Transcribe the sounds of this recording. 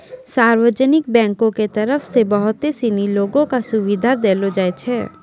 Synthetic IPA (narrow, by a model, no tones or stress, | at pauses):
saːɾwəd͡ʒənɪk̚bɛ̃ːŋkõket̪ɐɾəfʰsebəɦʊt̪esiniloːɡõkasʊʋid̪ʱad̪eːlod͡ʒaet͡ʃʰɛː